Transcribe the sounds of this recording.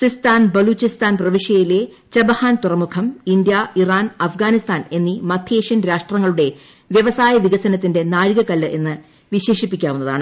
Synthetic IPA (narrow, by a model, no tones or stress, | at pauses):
sist̪aːnbɐluːt͡ɕist̪aːnprɐʋiʂjɐjile̞ | t͡ɕɐbɐhaːnt̪urɐmukʰɐmind̪jairaːnɐfɡaːnist̪ʰaːne̞nːimɐt̪ʰjeːʂjɐnɾaːʂʈrɐŋːɐɭuɽe̞ | ʋjɐʋɐsaːjɐʋiɡɐsɐnɐt̪ːinde̞naːɻɣɐkːɐlːɐʔe̞nːɨ | ʋiɕe̞ːʂipːikʲːaːʋunːɐða̰ːɳɨ